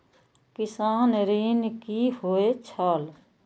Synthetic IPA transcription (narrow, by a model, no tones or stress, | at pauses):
kɪsaːnɾiːnkihoːet͡ʃʰaːl